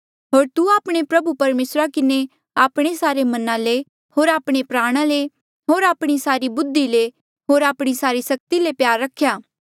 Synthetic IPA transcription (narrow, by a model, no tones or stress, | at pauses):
ɦoːɾt̪uaːpɽ̃epɾɐbupɐɾmeːsɾakɪne | aːpɽ̃esaːɾemɐnãle | hoːɾaːpɽ̃epɾaːɽ̃ale | ɦoːɾaːpɽ̃isaːɾibʊd̪ːile | ɦoːɾaːpɽ̃isaːɾisɐk̚t̪ilepjaːɾːɐkʰːjaː